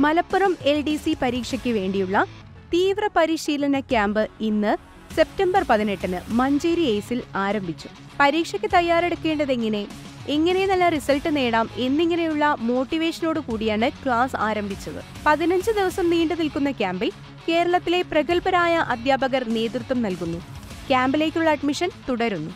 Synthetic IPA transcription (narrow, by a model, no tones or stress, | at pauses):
mɐlɐpːurɐme̞lɖisipɐɾiːkʂɐkʲːɨʋe̞ːɳɖijuɭːɐ | t̪iːʋrɐpɐɾiɕiːlɐnɐkʲaːmbɨinːɨ | se̞p̚tɐmbɐrpɐðine̞ʈːɐnɨmɐɲd͡ʑeːɾieːsilaːɾɐmbʱit͡ɕːu̥ | pɐɾiːkʂɐkʲːɨt̪ɐjːaːɾe̞ɽukːe̞ːɳɖɐðeŋːɐne̞ | eŋːɐne̞nɐlːɐrisɐlʈːɨne̞ːɽaːme̞nːiŋːɐne̞juɭːɐmo̞ːʈːiʋe̞ːʂɐno̞ːɽɨkuːɽijaːɳɨkɭaːsaːɾɐmbʱit͡ɕːɐðɨ̰ | pɐðinɐɲd͡ʑɨd̪iʋɐsɐmniːɳɖɨnilkunːɐkʲaːmbil | ke̞ːɾɐɭɐt̪ːile̞prɐɣɐlpɐɾaːjɐʔɐd̪ʱjaːbɐɣɐrne̞ːt̪rut̪wɐmnɐlkunːu | kʲaːmbile̞ːkʲːuɭːɐːɖmiʂɐnt̪uɽɐɾunːu